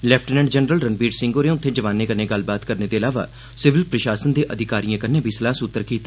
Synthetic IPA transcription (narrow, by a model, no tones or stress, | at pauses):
lɛːpʰʈnɛ̃ːɳɖd͡ʒənɾəlɾənbiːɖsɪ̃ŋɡoːɾẽʊt̪ʰːeːd͡ʒəʋaːneːkəɾneːɡəlbaːt̪kəɾneːd̪eːəlaːʋa̰ː | sɪʋɪlpɾəʃaːsənd̪eːʔəd̪ʱɪkaːɾijãːkənẽːbʱiːslaːsʊt̪ːəɾkiːt̪aː